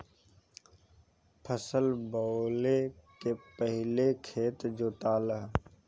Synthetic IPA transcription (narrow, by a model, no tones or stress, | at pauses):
pʰəsəlbɔːlekepəɦɪlekʰeːt̪d͡ʒoːt̪aːləɦ